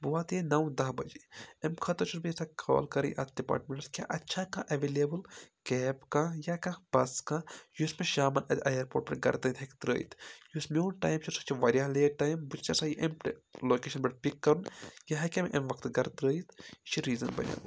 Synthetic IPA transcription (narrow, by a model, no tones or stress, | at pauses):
buat̪jenɐwd̪ɐɦbɐd͡ʒeːemkʰɐt̪ɐt͡ʃʰunbisakʰɔ̰ːlkɐɾḭʔɐt̪̚ʰɖipa̰ːʈmẽɳʈɐskʲja̰ːʔɐtːʃʰakaʔɐʋeːliɐbɨlkɛːpkajakãb̥ɐskajusmẽʃaːmɐnɐt̪ʲɐjɐɾpoːʈ̚pɐɡɐ̰ɾt̪əːjt̪ʰɦekt̪ɾə̰ːit̪ʰjusmeunʈaːjmʃʰiɾsɐ̥t͡ʃʰiʋɐːɾjaːleːʈaːjmbut͡ʃt͡ʃasajiʔemʈloːkeːʃɐnbɐʈpikːɐɾunjaɦɐkʲemʔḛmʋɐkt̪ɡɐɾt̪ɾəːit̪ʃiɾiːzɐnbɐ̰nʲja̰ː